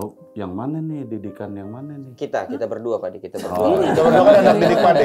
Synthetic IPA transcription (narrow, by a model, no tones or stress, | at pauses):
jaŋmananɪdidikanjaŋmananɪkit̪akit̪abərduapadikit̪abərduad͡ʒaaakananak̚dinɪk̚padi